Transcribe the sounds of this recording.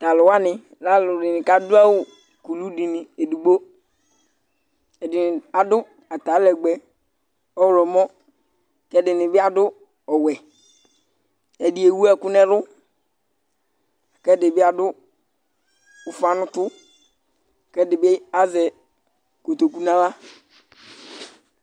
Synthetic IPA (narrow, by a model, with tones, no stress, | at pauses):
ta˨lʊ˨wa˦nɪ˨ | la˦lʊ˨dɪ˨nɪ˨ka˦dʊ˦a˦wʊ˨ | ku˨lu˦di˨nɪ˨e˨du˨ɡ͡bo˦ | ɛ˨dɪ˨nɪ˨a˨dʊ˦ | a˨ta˨˦lɛ˨ɡ͡bɛ˨ | ɔ˦wlɔ˨mɔ˦ | kɛ˦dɪ˨nɪ˨bɪ˦a˦dʊ˦ | ɔ˨wɛ˨ | ɛ˨dɪ˨e˨wu˦a˦˨kʊ˦nɛ˦ɾʊ˦ | a˨kɛ˦dɪ˨bɪ˦a˦dʊ˦ | ʊ˨fa˦nʊ̃˦t̪ʊ˦˨ | kɛ˦dɪ˨bɪ˦a˦zɛ˨ | ko˨t̪o˨ku˦nã˦la˦